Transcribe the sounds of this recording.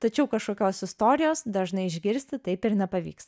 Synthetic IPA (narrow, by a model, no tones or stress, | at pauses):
t̪ɐt͡ʃʲɛʊkɐʃkoːkʲoːsɪst̪oːɾʲɪjoːsd̪ɐʒnɐɪɪʒʲɡʲɪɾʲsʲt̪ʲɪt̪ɐɪpɪɾnʲɛpɐʋʲḭːks